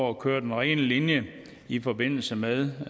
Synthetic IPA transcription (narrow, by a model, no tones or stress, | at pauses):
ɒkʰøːɐd̥enʁɛ̰ːnlinjə | ifɒ̽be̝n̰l̩səmeðˠ